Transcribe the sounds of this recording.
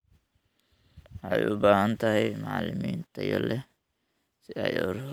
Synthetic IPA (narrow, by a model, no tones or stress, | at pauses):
ajʔʊbaːhɐnt̪ʰɐɦɛjmɑʕlɪmiːnt̪ʰɐjɔ̰lɛ | sɪɐjɔɾ